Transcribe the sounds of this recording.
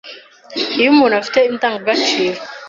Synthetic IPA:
imunafi̥tɛintaŋɡɡat͡ʃiɾ

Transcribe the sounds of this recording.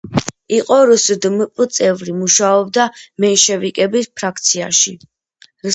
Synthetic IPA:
iqʼɔɾusd̪mpʼt̪sʼɛvɾimuʃaɔb̚d̪amɛnʃɛvikʼɛbispʰɾak̚ʰt̪sʰia̰ʃi

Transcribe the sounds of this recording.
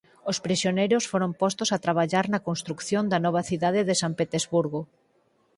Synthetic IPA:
ospɾisjonejɾosfoɾompɔst̪osat̪ɾaβ̞aʎaɾnɐkonst̪ɾukθjond̪ɐnɔβ̞ɐθiðaðɪðesampet̪ezβuɾɣo

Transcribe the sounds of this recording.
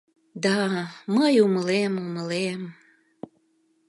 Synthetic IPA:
d̪ɑməjuməlemuməlem

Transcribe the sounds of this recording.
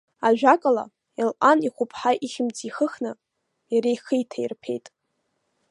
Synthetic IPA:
aʒᶣakʼala̰ | ilʔaniχʷʊpʰħaʔiχʲɪmt͡sʰʼiχəχnɨ | jaɾejχijtʰairpʰe̞̰jtʼ

